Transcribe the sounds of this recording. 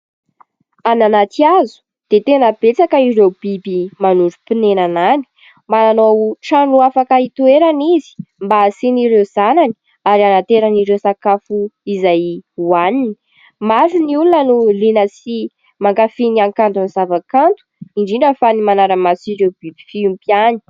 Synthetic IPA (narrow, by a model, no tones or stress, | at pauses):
ananat̪iazu̥ | d̪̥et̪enəb̥et͡sakəiɾewbibimanuɖ͡ʐupinenanani̥ | mananoʈ͡ʂaɳnuafakait̪ueɾanizi̥mbasiniɾewz̥anani̥ | aɾianat̪eɾəniɾewsakafuizajuaninii̥ | maɾuniulunənulinəsi | maŋkafiniaŋkant̪unizavakant̪u̥iɳɖ͡ʐiɳɖ͡ʐəfanimanaɾəmat͡siɾewbibi̥fiumpiani̥